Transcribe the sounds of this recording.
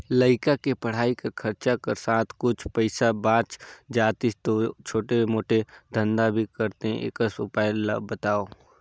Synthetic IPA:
ləɪkakepɐɽ̤aːikɐkʰɐɾt͡ʃakɐɾsaːt̪ʰkʊt͡ʃʰpəɪsabãːt͡ʃd͡ʒaːt̪ist̪ot͡ʃʰoːʈeemoːʈed̪ʱə̃nd̪abʱikɐɾt̪eɦʔḛːkəsʊpaːɪlːa̰bɐt̪aːoː

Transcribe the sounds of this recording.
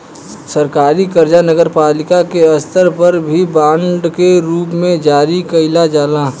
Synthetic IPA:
səɾkaːɾikəɾd͡ʒanəɡəɾpaːlɪkakeɐst̪ʰəɾpəɾbʱibãːɳɖkeɾuːpmẽd͡ʒaːɾikɐɪlad͡ʒaːlaː

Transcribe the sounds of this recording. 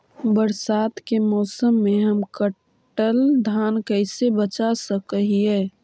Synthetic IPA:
bəɾsaːt̪kemɔːsəmːeɦəmkə | ʈəld̪ʱaːnkəɪsebət͡ʃasəkəɦiɛː

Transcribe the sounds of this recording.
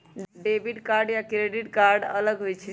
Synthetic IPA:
ɖebiʈkaɾɖjakɾeɖiʈkaɾɖə̰ləɡɦojt͡ʃʰɛ

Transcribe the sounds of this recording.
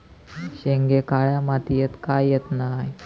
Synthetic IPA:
ɕeŋɡekaɭjamat̪ijet̪kajːet̪naj

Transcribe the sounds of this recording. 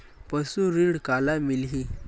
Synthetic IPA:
pəsuɾiɽkalamilɦi

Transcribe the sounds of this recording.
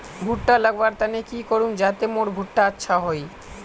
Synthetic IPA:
bʱuʈːalaɡbaɾt̪anekikoɾund͡ʑat̪emoɾbʱuʈːaatːɕʰaɦoj

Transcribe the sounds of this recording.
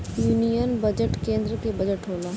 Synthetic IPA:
juːnijənbəd͡ʒəʈkẽːnd̪ɾəkebəd͡ʒəʈɦoːlaː

